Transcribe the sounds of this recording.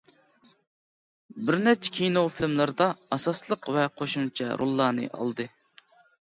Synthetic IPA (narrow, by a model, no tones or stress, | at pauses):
bɪɾnɛt͡ʃʰɛ̥kʲʰinofilmlˠɨɾd̪ɑɑsɑslˠəqvɛqʰoʃunt͡ʃʰɛ̰ɾo̰lˠːɑːnɨ̰ʔɑ̰lˠd̪ɨ